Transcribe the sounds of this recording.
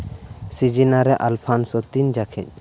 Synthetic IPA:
sid͡ʒinaɾɛʔalpʰansɔt̪ind͡ʒakʰɛ̰ɲ

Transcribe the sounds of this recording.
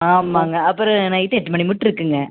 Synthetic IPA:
aːmːaːŋɡɐɐpːɯɾɔ̃nãːɪt̪ːɐʈːɯmɐɳimʊʈːɪɾɯkːɯŋɡɐ

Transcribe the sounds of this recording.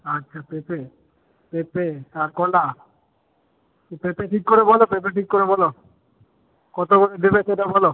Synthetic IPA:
atːɕʰapepe | pepekaɾkɔla | pepeʈʰikːoɾebʱɔlopep̬eʈikːoɾebɔlo | kɔt̪oɡoɾed̪ebeseʈabʱɔlo

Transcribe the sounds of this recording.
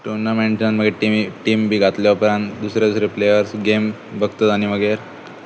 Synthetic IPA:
ʈuɾnameɳʈənməɡeʈiʈiːmbʱiːɡʱat̪leapɾand̪usɾed̪usɾeplejəɾsɡem | bəɡt̪ət̪añiʋəɡeɾ

